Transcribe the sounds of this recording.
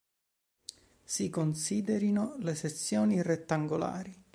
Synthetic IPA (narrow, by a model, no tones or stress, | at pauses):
sikonsiːd̪eɾinoleset̪sːjoːniret̪ːaŋɡola̰ːɾi